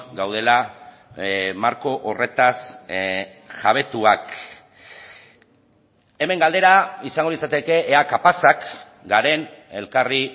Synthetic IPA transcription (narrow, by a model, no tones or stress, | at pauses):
ɡawðe̞la | maɾko̞ʔore̞t̪as | ʝaβ̞e̞t̪uak | e̞me̞ŋɡald̪e̞ɾaisaŋɡo̞lit͡sat̪e̞ke̞ʔeːakapasak | ɡaɾe̞ne̞lkari